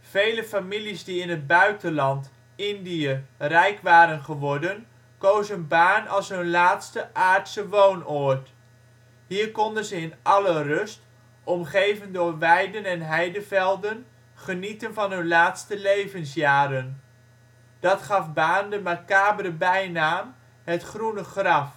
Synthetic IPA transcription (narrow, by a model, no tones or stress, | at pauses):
v̥ejləfamilizdiɪnɦəd̚bœɥtənlɑnt | ɪndiərɛjkʋaːɾənχəʋɔɹdən | kowzənbaːnɑlˠsɦɵnlaːtstəʔaːɹtsəʋownɔɹt | ɦiːɹkɔndənzəɪnʔɑlərɵst | ɔmχejvəndʊːɹʋɛjdənɛnɦɛjdəvɛlˠdən | χənitənvɑnɦɵnlaːtstəlejvənsjaːɾən | d̥ɑtχɑfbaːndəmakaːbələbɛjnaːm | ɦətχrunəχrɑf